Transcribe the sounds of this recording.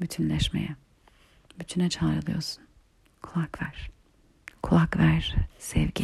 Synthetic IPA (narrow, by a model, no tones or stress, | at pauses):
byt̪ʰynlʲɛʃmḛjɛ | byt͡ʃ̪ʰynɛt͡ʃʰaːɾɯlˠɯjo̰ɾsu̥n | kʰulˠakvæɾ̥ | kʰulˠakvæɾ̥sɛvɟi